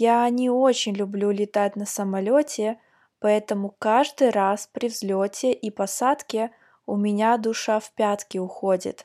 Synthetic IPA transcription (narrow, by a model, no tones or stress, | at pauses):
janʲɪot͡ɕɪnʲlʲʊblʲulʲɪt̪atʲnɐsəmɐlʲotʲɪ | pɐɛt̪əmʊkaʐd̪ɨɾaspɾʲɪvzʲlʲotʲɪʔipɐsat̪kʲɪ | ʊmʲɪnʲad̪ʊʂafpʲat̪kʲɪʊxodʲɪ̰t̪